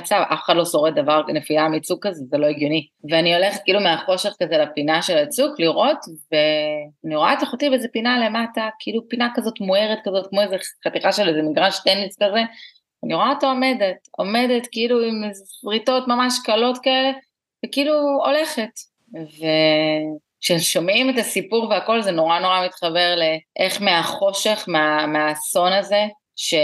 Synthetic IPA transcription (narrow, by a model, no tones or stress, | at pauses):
t͡savʔa̰fe̥χadlo̞so̞ʁetdavaʁnefiamit͡sukːazezelo̞eɡjo̞ni | veanio̞leχet̪̚kiːlumeaχo̞ʃe̞χkazelapinaʃe̞lat͡sukliʁo̞tveaniʁoa̰taχot̪ivezepinale̞matakeilupinakazo̞tmoeʁet̚kazo̞tkmoezeχatiχaʃelizeniɡʁaʃt̪eniskaze | aniʁo̞at̪aome̞de̞to̞me̞detkeiluimsʁito̞tmamaʃkalo̞tkaele̞ | vekeiluo̞le̞χe̞t | ve | kʃeʃo̞mimetasipuʁveako̞lzeno̞ʁano̞ʁamit̪χabe̞ʁleʔeχmeaχo̞ʃe̞χmeameaso̞naze̞ | ʃe